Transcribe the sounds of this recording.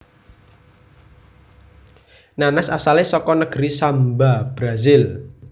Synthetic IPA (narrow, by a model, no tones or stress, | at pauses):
nanasasalesɔkɔnəɡ̥ɾisambab̥ɾazɪl